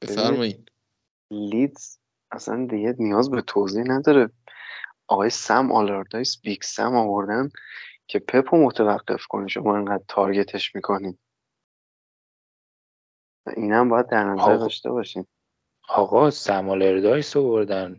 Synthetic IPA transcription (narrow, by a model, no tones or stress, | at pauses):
be̥eæɾnmɒid̪ | lit̪z̥ | æsæ̰nd̪iɟenijɒːzbe̞t̪ʰoːzihnæd̪ɒːɾe | ʔɒɣɒːjesæmʔɒ̰leɾd̪ɒjsbiksæ̰mɒvoɾd̪æncʰe̞pʰe̞pʰomot̪ʰevæɢːe̞̰fkʰo̞̰niʃomɒːeŋɡæd̪̚t̪ʰɒɾɟe̞t̪ʰe̞ʃmiːkʰo̞niːd̪̥ | æ̰ʔiːnhæmbɒːjæd̪ːæɾnæzæɾd̪ɒːʃt̪e̞̰βɒːʃin | ɒɣɒsæmoleɾd̪ɒjsovoɾd̪æn